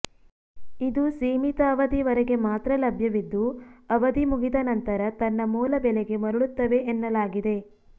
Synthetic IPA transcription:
id̪usiːmit̪ɐːʋɐd̪iʋɐɾeɡe̞maːt̪ɾɐlɐbʱjɐʋid̪ːuɐʋɐd̪imuɡid̪ɐnɐnt̪ɐɾɐt̪ɐnːɐmuːlɐbɛleɡe̞mɐɾuɭut̪ːɐʋe̞ʔːnːɐlaːɡid̪e̞

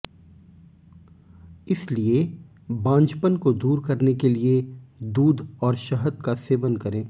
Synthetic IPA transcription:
ɪslie | bãːnd͡ʒpənkod̪uːɾkɐɾnekelied̪uːd̪ʱɔːɾʃɐɦəd̪̚kaseːʋənkɐɾẽː

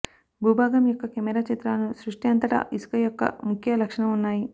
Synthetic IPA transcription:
bʱuːbʱaːɡɐmjɔkːɐkemɛɾat͡ʃɐt̪ɾaːnusɾuʂʈjɐnt̪ɐʈɐ̰ʔiskɐjɔkːɐ̰mukʰjɐlɐkʂɐɳɐmunːaːji

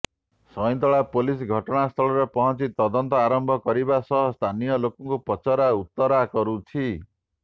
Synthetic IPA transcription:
sʌj̃nt̪ɔɭapolisɡʱʌʈʌnast̪ʰʌɭʌɾʌpʌɦʌnt͡sit̪ʌd̪ʌnt̪ɔaɾʌmbʱʌkʌɾibasʌɦʌst̪ʰanijʌlokɔŋkopʌt͡sʌɾaut̪ːʌɾakʌɾut͡sʰi

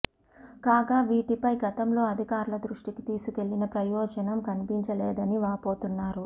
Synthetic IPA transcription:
kaːɡaːʋiːʈipɐjɡɐt̪ɐmlo̞ːɐd̪ʱikaːɾulɐd̪ɾuʂʈikit̪iːsuke̞lːinɐpɾɐjɔːd͡ʒɐnɐmkɐnipiɲt͡ʃɐlɛːd̪ɐniʋaːpo̞ːt̪unːaːɾu

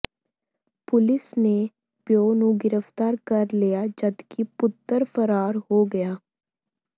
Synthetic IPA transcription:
pʊlɪsne | pjoːnũːɡɪɾəft̪aːɾkəɾlijaːd͡ʒəd̪kʰipʊt̪ːəɾfʰəɾaːɾɦoːɡəjaː

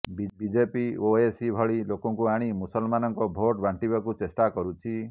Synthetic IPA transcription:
bibid͡ʒepioesibʱɔɭilokɔŋkuaɽ̃imusɔlmanɔŋkɔbʱoʈbʱaɳʈibakut͡ʃesʈakɔɾut͡ʃʰi

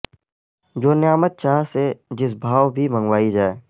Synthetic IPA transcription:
d͡ʒoːnjaːmət̪̚t͡ʃaːɦsed͡ʒɪs̬bʱaːʋbʱimə̃ŋɡwaːid͡ʒaːeː

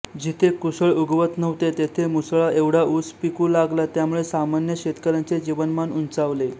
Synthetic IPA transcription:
d͡ʑit̪ʰekusəɭuɡʋət̪nəʋt̪et̪et̪ʰemusɭaeʋɽ̤auspikũːlaɡlat̪jamuɭesamanjəɕet̪kəɾant͡sed͡ʑiʋənmanunt͡saʋle

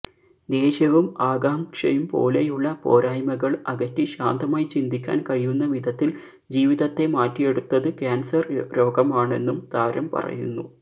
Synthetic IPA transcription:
d̪e̞ːɕɐʋumaːɡaːmkʂɐ̰jumpo̞̰ːlejuɭːɐpo̞ːɾaːjmɐɣɐɭɐɣɐtːiɕaːnd̪ʱɐmaːjt͡ɕind̪ʱikʲːa̰ːnkɐɻijunːɐʋid̪ʱɐt̪ːil | d͡ʑiːʋiðɐt̪ːe̞maːtːije̞ɽut̪ːɐðɨkʲaːnsɐrɾo̞ːɡɐmaːɳe̞̰nːumt̪aːɾɐmpɐ̰rɐ̰jṵnːu

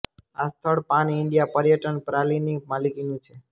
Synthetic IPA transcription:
ast̪ʰəɭpanɪɳɖijapəɾjəʈənpɾalinimalikinũt͡ʃʰe

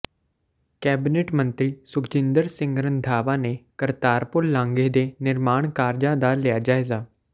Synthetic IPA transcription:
kɛːbɪneːʈmə̃nt̪ɾiːsʊkt͡ʃɪ̃nd̪əɾsɪ̃ŋɡɾənd̪ʱaːʋaːneːkəɾt̪aːɾpʊlːãːŋɡeːd̪eːnɪɾmaːɳ̃kaːɾd͡ʒãːd̪aːlɪjaːd͡ʒaːezaː

